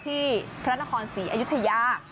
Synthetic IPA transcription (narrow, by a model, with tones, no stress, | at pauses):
t̪ʰiː˥˩pʰɾa˦˥na˦˥kʰɔː˧nsiː˩˦ʔa˧ju˦˥t̪ʰa˧ja˧˩